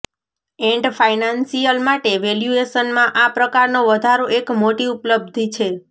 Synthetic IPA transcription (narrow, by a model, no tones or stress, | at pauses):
eɳɖfajnãnsijəlmaʈeʋeljueʃənmãʔapɾəkaɾnõʋəd̪ʱaɾoʔekmoʈiupləb̚d̪ʱit͡ʃʰe